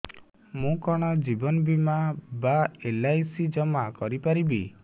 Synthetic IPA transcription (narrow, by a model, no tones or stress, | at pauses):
mũkɔɽ̃ɔd͡ʒibɔnɔbimabaelajsid͡ʒɔmakɔɾipaɾibḭ